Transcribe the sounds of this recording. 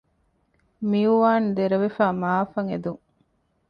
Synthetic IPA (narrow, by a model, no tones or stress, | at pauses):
miuʋaːnd̪eɾɐʋefaːmaːfɐŋed̪uŋ